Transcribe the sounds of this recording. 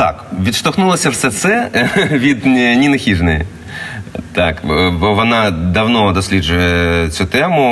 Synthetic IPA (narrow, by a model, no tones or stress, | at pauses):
t̪a̰kvʲit̪ʂt̪ɐxnulˠɐsʲɐfsʲɐt̪sɛʋʲid̪ʲnʲinɐxʲiʐnɨjɪ | t̪akbovɐnad̪ɐwnod̪ɐsʲlʲiʐʊjət̪sʲut̪ɛmʊ